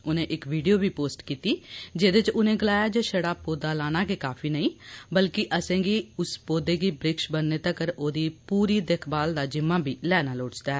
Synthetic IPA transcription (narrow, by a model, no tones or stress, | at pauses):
ʊnẽːʔɪkʋiːɖijoːbʱiːpoːsʈkiːt̪iːd͡ʒeːd̪ɪt͡ʃʊnẽːɡɪlaːjaːd͡ʒeːʃəɽaːpoːd̪aːlaːñaːkekaːpʰiːnəĩːbəlkɪʔəsẽːɡiːʊspoːd̪eːɡiːbɾɪkʃbənːeːt̪əkəɾoːd̪iːpuːɾiːd̪eːkʰbaːld̪aːd͡ʒɪmːãːbʱiːlɛːnaːloːʈt͡ʃd̪aɛ